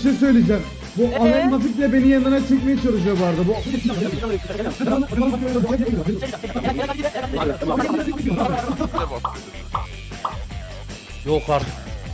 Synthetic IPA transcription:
ʃejsø̞jlʲed͡ʒɛm | buʔanaɾmat̪ikʲlʲɛbe̞nijanːaɾat͡ʃʰɛc̬ʲmejɛt͡ʃʰaɾud͡ʒaɯvaɾd̪ɯbu | jokaɾ

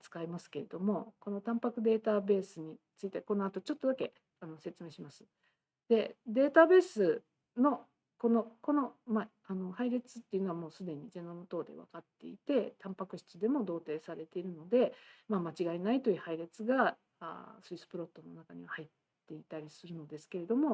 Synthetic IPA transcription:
t͡sɨ̥kaimasɨ̥ke̞ɾe̞d̪o̞mo̞ko̞no̞t̪ãmpakɯ̟d̪e̞ːt̪abe̞ːsɨɲ̟it͡sɨit̪eko̞no̞at̪o̞t͡ɕo̞t̪ːo̞d̪ake̞ | ano̞se̞t͡sɨme̞ːɕimasɨ̥ | d̪̥e̞d̪e̞ːt̪abe̞ːsɨ | no̞ | ko̞no̞ko̞no̞ma | ano̞haiɾe̞t͡sɨ̥t̪ːe̞iɯ̟noamo̞ːsɨd̪e̞ɲ̟id͡ʑenomɯt̪o̞ːd̪e̞̰βa̰kat̪ːe̞̰it̪e̞t̪ʰãmpakɯ̟ɕi̥t͡sɨd̪e̞mo̞d̪o̞ːt̪e̞ːsaɾe̞t̪e̞iɾɯ̟no̞d̪e̞mamat͡ɕiɡainait̪o̞jiɯ̟haiɾe̞t͡sɨɡa | a̰sɨisɨ̥pɯ̟ɾo̞t̪ːo̞no̞nakaɲ̟iβahait̪ːe̞it̪aɾʲisɨɾɯ̟no̞d̪e̞sɨ̥ke̞ɾe̞d̪o̞mo̞

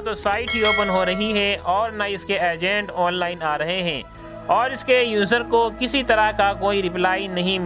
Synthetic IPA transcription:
t̪osaːɪʈɦioːpənɦoɾɐɦiɦɛɔːɾnaɪskeɛːd͡ʒɛ̃ːɳʈɔːnlaːɪnaːɾɐɦeɦɛ̃ː | ɔːɾɪskejuːzəɾkokɪsit̪ɐɾakakoːiɾɪplaːinɐɦĩm

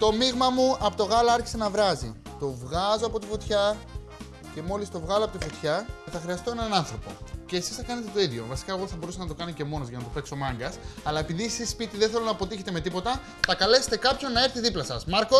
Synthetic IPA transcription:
t̪o̞miɣmɐmuɐpot̪o̞ɣɐlɐɐɾçi̥se̞nɐvɾɐzḭ | t̪o̞vɣɐzo̞ɐpo̞t̪ifo̞t̪çɐ | ce̞mo̞list̪o̞vɣɐloɐpo̞t̪ifo̞t̪çɐθɐxɾiɐst̪o̞e̞nɐnɐnθɾo̞po̞̰ce̞ːsi̥sθɐkɐnet̪e̞t̪o̞iðʝo̞̰vɐsi̥kɐeɣo̞θɐbo̞ɾusenɐt̪o̞kɐnice̞mo̞nozʝɐnɐt̪ope̞ksomɐŋɡɐsɐlɐe̞piðisispit̪iðenθe̞lo̞nɐːpo̞t̪içe̞t̪e̞me̞t̪ipo̞t̪ɐ | t̪ɐkɐle̞se̥t̪ekɐpço̞nːɐe̞ɾθiðiplɐsɐsmɐɾko

